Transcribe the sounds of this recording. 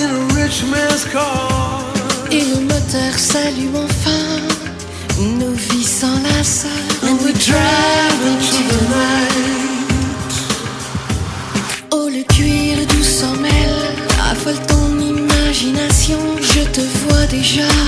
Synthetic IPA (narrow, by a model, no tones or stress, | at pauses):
ɪ̃nəɹɪt͡ʃmɛ̃nskʰɑ | eləmɔt̪œʁsalyɑ̃fɛ̃ | novisɑ̃lasðədɹavə̃t̪ʰuðəna | t̪ | oləkɥiʁd̪ysɔmɛl | a̰fɔlt̪ɔ̃nimaʒinasjɔ̃ʒət̪əvwad̪eʒa